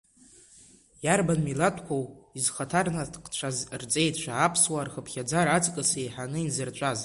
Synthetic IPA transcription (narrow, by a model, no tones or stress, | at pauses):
jarbanmilatʷʰʼkʷʰowizχatʰarnaqt͡ʃʷʰazrt͡sʼe̞jtʰʼt͡ʃʷʰaːpʰswarχəpʰχʲad͡zaɾat͡sʼkʼɨsejħanɨinzɨrt͡ʃʷʼaz